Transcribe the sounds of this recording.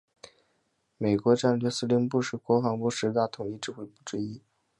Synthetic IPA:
me˨˩ɪkwɔ˧˥ʈ͡ʂa˥˩nlɛ˥˩sɹ̩˥˧li˧˥ŋpu˥˧ʂɻ̩˥˩kwɔ˧˥fɑ˧˥ŋpu˥˧ʂɻ̩˧˥t̪a˥˩t̪ʰʊ˨˩ŋi˥˧ʈ͡ʂɻ̩˥˧xwe˥˧ɪpu˥˩ʈ͡ʂ̩˥˧i˥

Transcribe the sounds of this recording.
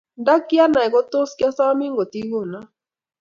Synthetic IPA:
nda˦kɪ˦a˦na˨ɛ˨ɡɔ˦t̪o˦skja˦sa˦wa˦mɪ˦ŋɡo˨t̪i˦ɡo˦˨na˦

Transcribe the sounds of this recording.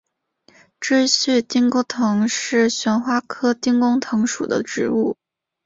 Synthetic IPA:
ʈ͡ʂe˥ɪɕy˥˧t̪i˥ŋko˥t̪ʰɤ˧˥ŋʂɻ̩˥˩ɕɥɛ˧˥nxwa˥kʰɤ˥t̪i˥ŋkʊ˥ŋt̪ʰɤ˧˥ŋʂṵ˨˩d̪ə̰˦ʈ͡ʂɻ̩˧˥u˥˩

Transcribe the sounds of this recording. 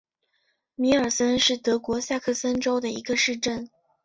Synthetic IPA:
mi˧˥ə˞˨˩sə˥nʂɻ̩˥˩t̪ɤ˧˥kwɔ˧˥ɕja˥˧kʰɤ˥˩sə˥nʈ͡ʂo˥ʊd̪ə˨i˧˥ɡə˧ʂɻ̩˥˧ʈ͡ʂə˥˩n

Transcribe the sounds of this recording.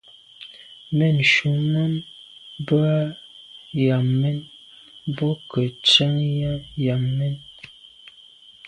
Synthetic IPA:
mɛ˦˨n˨ʃu˨˦mə˦n | bə˦a˦ | ja˨mmɛ˦n | bɔ˦kə˨t͡ʃə˦ŋja˦ja˨mːɛ˦n

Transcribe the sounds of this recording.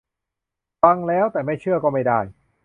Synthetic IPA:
fa˧ŋlɛː˦˥wt̪ɛː˨˩ma˥˩jt͡ɕʰɯ˥˩ɐkɔː˥˩ma˥˩jda˥˩j

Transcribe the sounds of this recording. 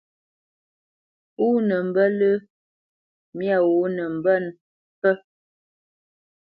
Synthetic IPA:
u˦nə˨m˨bə˦lə˦ | mja˦˨wo˨˦nə˨m˨bə˦˨n | pə˦

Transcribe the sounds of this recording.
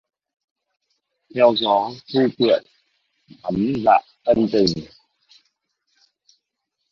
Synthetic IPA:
t̪ʰɛ˧wzɔ˨˦tʰu˧˦kwḭ˨ə˨n | a˨˦mza̰˧˨ʔt̪ə˧nt̪i˨˩ŋ

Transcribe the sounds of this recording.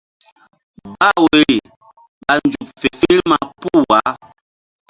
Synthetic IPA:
ba˦we˨ɾi˨ | ɓa˨n˦d͡ʒu˨pfe˨fi˦lma˨pu˦˨wa˨˦

